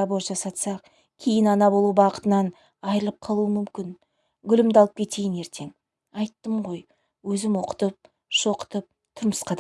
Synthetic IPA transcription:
ɑbo̞ɾʒɑsɑt̪sɑq̚ | kʲʰe̞jɪnɑnɑbo̞lˠubɑqə̥t̪ənɑn | ɑjɾəlˠəp̚qʰɑlˠuəmʏmkʲɪn | ɡʲʏlɪmd̪ɑlˠəp̚kʲʰe̞t̪e̞jɪne̞ɾt̪ʰe̞ŋ | ɑjt̪ːəmʁo̞j | wɵzɪmwo̞qə̥t̪əp̚ | ʃo̞qə̥t̪əp̚ | t̪ʰʊɾməsqɑd̪

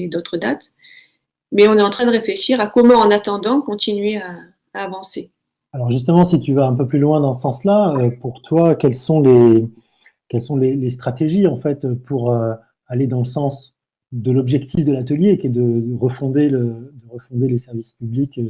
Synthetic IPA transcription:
ed̪ot̪χəd̪at̪ | mɛɔ̃nɛt̪ɑ̃t̪χɛ̃d̪əʁefleʃiʁakɔmɑ̃ɑ̃nat̪ɑ̃d̪ɑ̃kɔ̃t̪inɥea | aːvɑ̃se | alɔʁʒyst̪əmɑ̃sit̪yvaɛ̃pøplylwɛ̃d̪ɑ̃səsɑ̃slaøpuʁt̪wakʲɛlsɔ̃le | kʲɛlsɔ̃lelest̪χat̪eʒiɑ̃fɛt̪øpuʁø | aled̪ɑ̃ləsɑ̃s | d̪əlɔbʒɛkt̪ʰifd̪əlat̪əljekʲɛd̪əəʁəfɔ̃d̪eləd̪əʁəfɔ̃d̪elesɛʁvispyblik

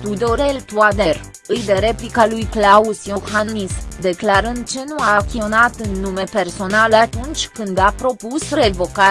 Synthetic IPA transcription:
t̪ud̪o̞ɾelt̪uad̪er | ɨjd̪eɾe̞plikalujklausjohanmisd̪e̞klaɾənd̪̚t͡ʃe̞nuakʲionat̪ɨnːume̞pe̞rso̞naləat̪unt͡ʃʲkɨnd̪apɾo̞pusre̞vo̞ka

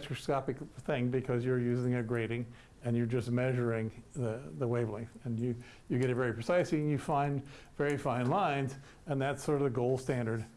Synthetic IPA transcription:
t͡ʃʰɹ̥ɨskɑpɨkθɪ̃ŋbɨkʰʌzjə˞jʉzɪ̃ŋɨɡɹeɪɾɪ̃ŋ | ɨ̃njə˞d͡ʒʌs̚mɛʒə˞ɪ̃ŋðɨðəweɪvl̩ˠɪ̃ŋɨ̃njɨ | jɨɡɛɾɨtvɛɹipʰɹ̥ɨsaɪsliɨ̃njɨfãɪ̃n | vɛɹifãɪ̃nlãɪ̃nz | ɨ̃nðætsɔɹɾʌvɨɡoʊlˠstæ̃ndə˞d̥

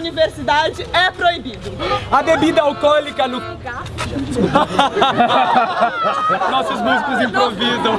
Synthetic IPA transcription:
niveɾsid̪ad͡ʒɪɛpɾoibid̪ʊɐbebid̪ɐawkɔlikɐnʊ | ka | nɔsʊzmuzikʊzĩpɾovizɐ̃w̃

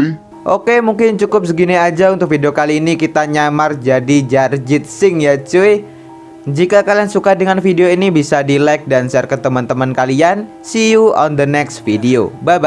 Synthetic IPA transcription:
ʔokemuŋkɪnt͡ʃukʊp̚səɡiniad͡ʒaunt̪ʊk̚fideokaliːnikit̪aɲamard͡ʒadid͡ʒard͡ʒɪt̪̚sɪŋjat͡ʃue | d͡ʒikakaliansukadəŋanfideoinibisadilajk̚dansiarkət̪əmant̪əmankalian | siuʔɔ̰nd̪ənɛkst̪fideo̰baba

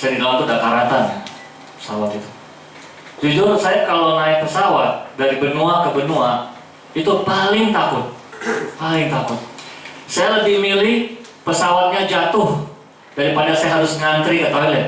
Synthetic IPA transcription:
sajadiɡalant̪ʊdakaɾat̪an | pə̥sawat̪it̪u̥ | d͡ʒud͡ʒʊrsajakalonaɪk̚pəsawat̪̚daɾibənuakəbənua | it̪upalɪŋt̪akʊt̪̚palɪŋt̪akʊt̪̚sajaləbɪhmilɪh | pəsawat̪̚ɲad͡ʒat̪ʊh | d̥aɾipadasajaɦaɾʊsŋant̪ɾikat̪aɦala

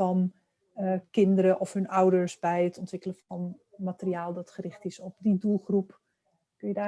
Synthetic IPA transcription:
ɔn | kɪndəɾəʔɔfɦɵnɔwdəɹsbɛjətʰɔntʋɪkələfɔn | matəriaːlˠdɔtχərɪχtɪsɔp̚didulˠxrup | kønjədaː

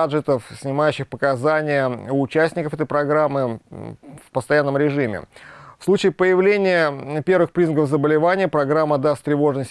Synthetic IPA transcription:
ʐɨt̪əfsʲnʲɪmajʉɕːɪxpəkɐzanʲɪjəʊːt͡ɕæsʲnʲɪkəfɛt̪əɪjpɾɐɡɾamːɨ | fpəst̪ɐjanːəmɾʲɪʐɨmʲɪ̰fslˠut͡ɕɪɪpəjɪvlʲenʲɪjəpʲe̞rvɨxpɾʲiznəkəvzəbəlʲɪvanʲɪjəpɾɐɡɾamːəd̪ast̪t̪ːɾʲɪvo̞ʐnəsʲ

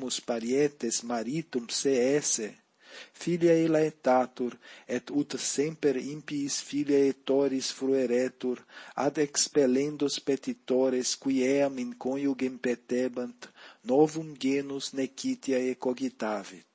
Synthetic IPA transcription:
muspaɾjɛt̪esmaɾit̪umseɛse | filjaelaet̪at̪uɾɛt̪ut̪sẽmpeɾimpiːsfiljaet̪oɾisfɾueɾet̪uɾa̰d̪ekspelẽnd̪uspet̪it̪oɾeskuiɛamĩŋkõnjuɡempet̪ebant̪nɔvumɡenuznekʰit̪jaekoɡit̪avi

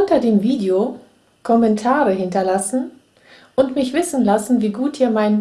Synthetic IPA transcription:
ʔʊntɐdeːmviːdeo | kʰɔmɛntʰaːʁəɦɪntɐlasn̩ | ʔʊntmɪçv̥ɪsn̩lasn̩viːɡuːt̚d̥iːɐmaɪn

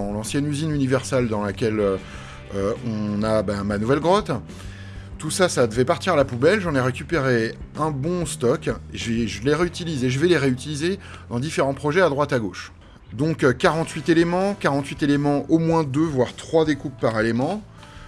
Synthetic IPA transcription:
ɑ̃lɑ̃sjɛnyzinynivɛʁsald̪ɑ̃lakʲɛlø | øɔ̃nabɛ̃manuvɛlɡʁɔt̪ | t̪usasad̪əvɛpaʁt̪iʁalapubɛlʒɑ̃nɛʁekʲypeʁeɛ̃bɔ̃st̪ɔkeʒəvɛʒəleʁeyt̪ilizeʒəvɛleʁeyt̪ilize | d̪ɑ̃d̪ifeʁɑ̃pχɔʒɛad̪ʁwat̪aɡoʃ | d̪ɔ̃kkːaʁɑ̃t̪ɥit̪elemɑ̃kaʁɑ̃t̪ɥit̪elemɑ̃ʔomwɛ̃d̪øvwaʁt̪χwad̪ekuppːaʁelemɑ̃

